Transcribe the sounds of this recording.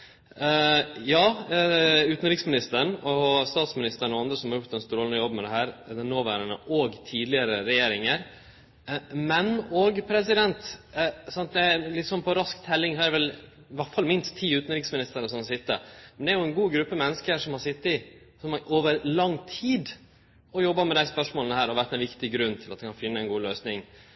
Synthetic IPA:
jɑː | ʉːt̪n̩ɾɪksmɪnɪst̪əɳɔst̪ɑːt̪smɪnɪst̪əɾɳɔɑnd̪ɾəsɔmhɑɾjʊkt̪ɛnst̪ɾoːlnəjɔbːmɛd̪ɛɦæːɾd̪ɛnoːʋæːɾənə̰ʔoɡt̪ʰiːd̪lɪəɾəɾɛjeːɾɪŋəɾ | mɛnɔɡpʰɾɛs̬ɪd̪ɛnt̪sɑnt̪̚d̪ɛæɾlɪt̪sɔnpʰɔɾɑskt̪ʰɛlːɪŋɦɑdɛʋɛl | ʋæʈfɑlmɪnst̪ʰːiːʉːt̪nɾɪksmɪnɪst̪əɾəsɔmɑsɪt̪ːə̰mɛnd̪ɛæɾjʊɛnɡuːɡɾʉpːəmɛnːəskəʂɔmhɑsɪt̪ːəɪ | sɔmɑɾʔoːʋəɾlɑŋt̪ʰiːd̪ | ɔjɔbːɑmɛd̪æɪspœʂmoːlənəhæːɾɔʋæɾt̪ɛnʋɪkt̪ɪɡɾʉnːt̪ʰɪlɑt̪d̪ɛkʰɑnfɪnːəɛnɡuːløːsnɪŋ

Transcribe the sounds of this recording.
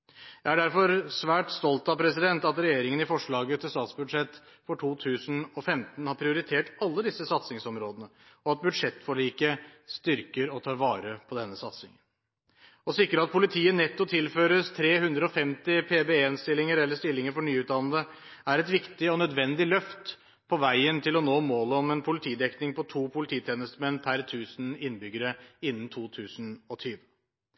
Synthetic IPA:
jæɪæɖæɾfɔɾsʋæːʈst̪ɔlt̪ɑpʰɾɛsɪd̪ɛnt̪ɑt̪ɾɛjeːɾɪŋənɪfɔʂɭɑːɡət̪ʰɪlst̪ɑːt̪sbʉd̪ʂɛt̪ː | fɔʈʰuːt̪ʰʉːsənɔfɛmt̪n̩hɑɾpʰɾɪʊɾɪt̪ʰeːʈɑlːəd̪ɪsːəsɑt̪sɪŋsɔmɾoːd̪ənə | ɔɑt̪̚bʉd̪ʂɛt̪ːfɔɭiːkəst̪ʏɾkəɾɔt̪ʰɑːɾʋɑːɾəpʰɔd̪ɛnːəsɑt̪sɪ̰ŋən | ɔsɪkɾəɑt̪̚pʰʊlɪt̪ʰiːənɛt̪ːɔt̪ʰɪlføːɾəst̪ʰɾeːhʉnd̪ɾəɔfɛmt̪ɪpʰeːbeːenst̪ɪlːɪŋəɾɛlːəʂt̪ɪlːɪŋəɾfɔɳyːʉːt̪d̪ɑnəd̪ə | æɾɛt̪ʋɪkt̪ɪɔnœd̪ʋɛnd̪ɪlœft̪ | pʰɔʋæɪənt̪ʰɪlɔnoːmoːləɔmɛnpʰʊlɪt̪ʰiːd̪ɛknɪŋpʰɔt̪ʰuːpʰʊlɪt̪ʰiːt̪ʰeːnəst̪mɛnːpʰæɾt̪ʰʉːsn̩ɪnːbʏɡəɾəɪnːn̩t̪ʰuːt̪ʰʉːsnɔt̪ʰyːʋə

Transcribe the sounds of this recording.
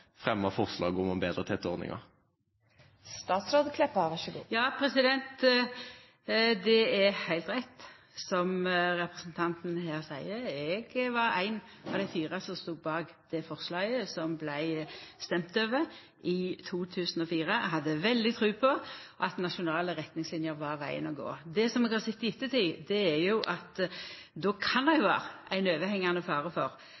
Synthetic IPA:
fʁɛmːɑfɔʁslɑ̰ːɡɔmɔmbeːd̪ʁət̪ʰɛt̪ːoːʁnɪ̰ŋɑ̰ʁ | st̪ɑːt̪sɾoːd̪kʰlɛpːɑʋɑʃɡṵːjɑːpʰɾɛsɪd̪ɛnt̪ | d̪ɛɛɾhæɪlt̪ʁɛt̪ | sɔmɾɛpʁɛsn̩t̪ʰɑnt̪n̩hæːʁsæɪəɛɡʋɑɾæɪnɑʋd̪æɪfiːʁəsɔst̪uːbɑːɡ | d̪̥ɛfɔʁslɑːɡəsɔmblæɪst̪ɛmt̪øːʋə | ʔɪt̪ʰuːt̪ʰʉːsn̩ɔfiːɾəɦɑd̪ːəʋɛld̪ɪt̪ʰɾʉːpʰɔʔɑt̪nɑʃʊnɑːləʁɛt̪nɪŋslɪnjəʁʋɑʁʋæɪə̰nɔɡo̰ːd̪ɛsɔmɛɡhɑsɪt̪ːɪɪt̪ːət̪ʰɪd̪ɛæɾjʊʔɑt̪ | d̪oːkʰɑnd̪æɪjʊʋɑ̰ːɾəʔæɪnøːʋəhɛŋːɑnəfɑːɾəfɔɾ

